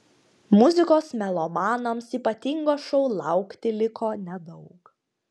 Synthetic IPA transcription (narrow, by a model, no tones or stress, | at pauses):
mʊzʲɪkoːsmʲɛlˠomɑːnomsiːpɐt̪ʲɪŋɡoːsʃɔʊlˠɑˑʊkt̪ʲɪlʲɪkʰoːnʲɛd̪ɒʊk